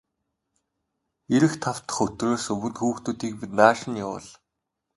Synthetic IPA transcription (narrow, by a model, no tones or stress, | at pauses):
eɾɘ̆xt̪ʰaw̥t̪ə̥̆χɵt̪roːsɵwɵ̆t̪xuːxt̪uːt̪iːk̚pit̪naːʃə̆nʊwʊ̰ɮ